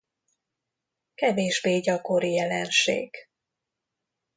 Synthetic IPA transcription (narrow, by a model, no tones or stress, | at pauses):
kɛveːʒbeːɟɒko̞ɾijɛlɛnʃḛːɡ̥